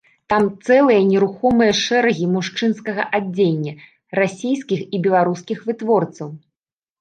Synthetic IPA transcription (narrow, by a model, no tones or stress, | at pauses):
t̪amt̪sɛlˠɨjɐnʲɛɾuxɔmɨjɐʂɛɾɐɣʲimuʂt͡ʂɨnskɐɣɐʔad͡zʲːenʲːɐ | rasʲijskʲixibʲɛlˠaɾuskʲixvɨt̪vɔrt̪sɐw